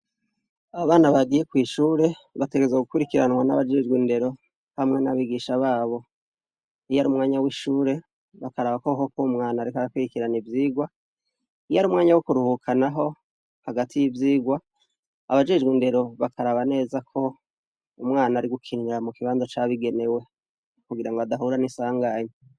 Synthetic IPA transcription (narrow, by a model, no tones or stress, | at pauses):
aβaβaːnaβaɡije̞kwiːʃuːɾe̞βate̞ɡeezoɡukuɾikiɾanwanaβad͡ʒe̞d͡ʒɡwinde̞ɾo̞ | hamŋe̞naβiɡiːʃaβaːβo̞ | ijaɾumŋaːɲawiʃuːɾe̞ | βakaɾaβakoaɦokoumŋaːnaɾikaɾakwiɾikiɾanivjiːɡwa | ijaɾumŋaːɲawokuɾuhukʰanaɦo̞ | haɡatʰijivjiːɡwa | aβad͡ʒe̞d͡ʒɡwinde̞ɾo̞βakaɾaβane̞ːzakʰo̞ | umŋaːnaːɾiɡukʰiŋɡamukiβaːnzat͡ʃaβiɡe̞ne̞we̞ | kuɡiɾaŋɡoadaɦuːɾanisaːŋɡaːɲe